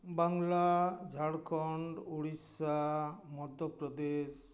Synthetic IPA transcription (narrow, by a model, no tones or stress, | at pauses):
baŋlad͡ʒʱaɽkʰɔɳɖuɽisamɔd̪ʱɔpɾɔd̪es